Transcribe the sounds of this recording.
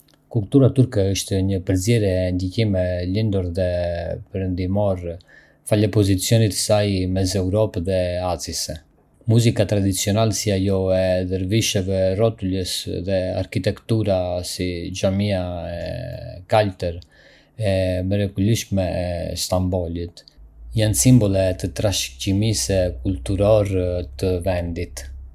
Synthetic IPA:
kult̪uɾat̪uɾkɛəʃt̪ɛɲəpəɾzjɛɾjɛːnd̪icimɛlind̪uɾðɛpəɾənd̪imɔɾ | falɛpɔzit͡sjɔnit̪ə̥sajmɛz̬ɛuɾɔpðɛazis | muzikat̪ɾad̪it͡siɔnalɛsiajɔɛðəɾviʃɛvɛrɔt̪uləsðɛa̰ɾkit̪ɛkt̪uɾasid͡ʒamiaɛkalt̪ɛɾ | ɛmɛɾɛɡuliʃmɛst̪ambɔlit̪jansimbɔlˠɛt̪ət̪ɾaʃcimisɛkult̪uɾɔɾt̪əvɛnd̪it̪

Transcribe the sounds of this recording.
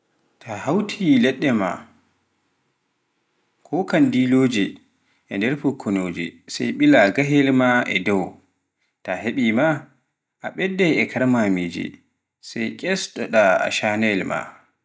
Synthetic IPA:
tʰahawtʰilɛɗːɛma̰ | kʰɔkandiloːd͡ʒɛ | ʔɛndɛɾfɔkʰːɔnoːd͡ʒɛ̰sajɓilaɡaɦɛlmaɛ̰dɔw | taɦeɓima | ʔaɓɛdːɛɛkʰaɾmamid͡ʒɛ̰ | sajkʼɛstɔɗaa̰ʃanɛlma̰

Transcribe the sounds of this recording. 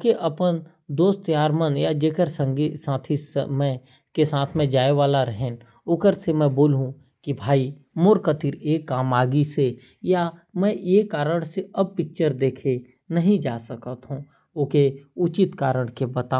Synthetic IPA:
keʔɐpən | d̪oːst̪jaːɾmənjad͡ʒeːkəɾsə̃ŋɡisãːt̪ʰismɛ̃ | kesãːt̪ʰmẽd͡ʒaːeʋaːlaɾəɦɛ̃ | ʊkəɾsemɛ̃boːlɦũ | kibʱaːi | moːɾkət̪iɾeːkːaːmaːɡise | jamɛ̃jeːkaːɾəɽ̃seɐb̚pɪk̚t͡ʃəɾd̪eːkʰe | nɐɦĩd͡ʒaːsəkət̪ɦũ | ʊkeʊt͡ʃɪt̪kaːɾəɽ̃kebət̪a

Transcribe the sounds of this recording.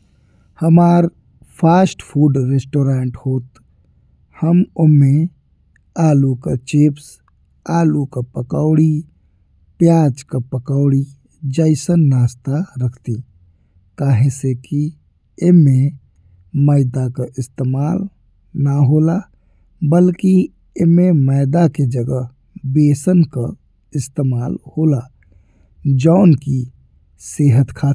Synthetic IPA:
həmaːɾ | pʰaːsʈpʰuːɖɾesʈoːɾaːɳʈhoːt̪ | həmomẽ | aːlukat͡ʃeps | aːlukapəkaʊɽi | pjaːd͡ʒkapəkaʊɽi | d͡ʒaɪsənːaːst̪aɾəkʰt̪i | kaɦẽseki | eme | məɪd̪akəʔist̪emal | naɦola | bəlki | ememəɪd̪aked͡ʒəɡə | besənkə | ɪst̪emalhola | d͡ʒəʊnki | seɦət̪kʰa

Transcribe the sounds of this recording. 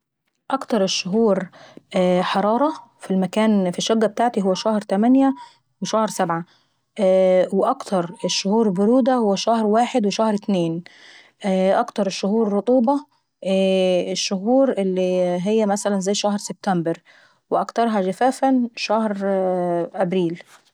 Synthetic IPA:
ʔɑkt̪ɑɾˤeʃːʊɦuːɾ | ħɑɾˤɑːɾˤɑfilmækæːnfiʃːoɡːæbet̪aːʕt̪iɦowːæʃæhɾt̪æmænjæ | weʃæhɾsæbʕa | weʔɑkt̪ʰɑɾˤeʃːʊhuːɾbʊɾuːd̪æhowːæʃæhɾwaːħed̪weʃæhɾt̪neːn | ʔæʔɑkt̪ɑɾˤeʃːʊhuːɾːot̪ˤuːbɑ | eʃːʊɦuːɾʔelːiɦejːæmæsælænzæjːʃæhɾseb̚t̪æmbɪɾ | weʔɑkt̪ɑɾˤɦɑʒæfæːfænʃæhɾ | ʔæbɾiːl

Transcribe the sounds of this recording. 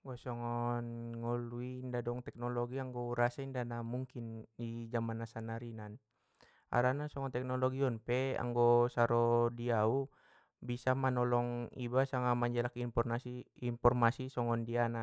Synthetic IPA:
ŋɡasɔŋɔnŋɔluindadɔŋt̪ɛk̚nɔlɔɡiaŋɡɔɾasaindanamuŋkindid͡ʒamanasanaɾinan | a̰ɾanasɔŋɔnt̪ɛk̚nɔlɔɡiɔnpɛa̰ŋɡɔsaɾɔdiau | bisamanɔlɔŋḭbasaŋamaɲd͡ʒɛlakimpɔasiinpɔrmasisɔŋɔndiana

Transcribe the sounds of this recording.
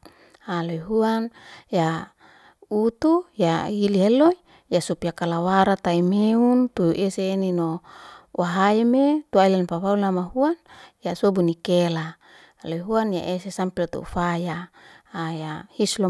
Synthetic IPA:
aloɦuanja | ut̪ujahiliɦelo | jasupijakalawaɾat̪aimeunt̪uʔeseːninowaɦaimet̪uailanpaβaulnamaɦuanjasobunikela | loɦuanja̰ʔesesampilot̪ṵṵfajaː | jahislo

